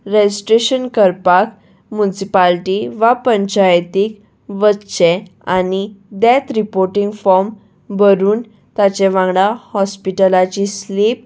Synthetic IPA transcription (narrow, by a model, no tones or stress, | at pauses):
ɾed͡ʑisʈɾeɕənkəɾpak | munsipalʈiʋapəɲt͡ɕajt̪ik | ʋətːɕɛanid̪ɛt̪ɾipoɾʈiŋɡfɔɾm | bəɾuːn | t̪at͡ɕeʋãŋɡɽahɔspiʈəlat͡ɕislip̚